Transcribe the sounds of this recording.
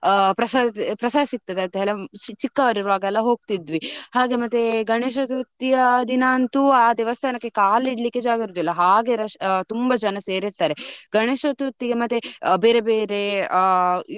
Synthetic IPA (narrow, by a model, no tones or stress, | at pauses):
pɾɐsaːpɾɐsaːd̪sik̚t̪ɐd̪eɐnt̪ɦeːɭet͡ʃikːɐʋɐɾiɾɐʋaːɡɐɛlːɐɦo̞ːɡ̚t̪id̪ʋihaːɡe̞mɐt̪ːeɡɐɳeːʃ̬ɐt̪ut̪ːijɐd̪inaːnt̪uaːd̪ɛʋɐst̪ʰɐnɐkːe̞kaːliɽlikːe̞d͡ʒaːɡiɾud̪ɛlːɐɦaːɡe̞ɾɐt̪umbɐd͡ʒɐnɐseːɾiɾt̪aːɾeɡɐɳeːʃɐt̪ut̪ːiɡemɐt̪ːebeːɾebe̞ːɾe̞